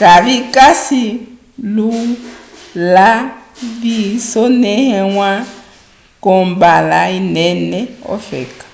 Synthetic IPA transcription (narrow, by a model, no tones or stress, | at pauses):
kaβikʼasi | lu | laβisɔnɛhɛŋwa | kɔmbalainɛnɛɔ̰fɛ̰ːkḁ